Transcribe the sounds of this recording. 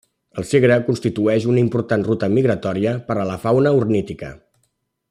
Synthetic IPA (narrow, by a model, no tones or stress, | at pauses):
əlˠseɣɾəkunst̪it̪uɛʃunəimpuɾt̪anrut̪əmiɣɾət̪ɔɾiəpəɾələfawnəuɾnit̪ikə̰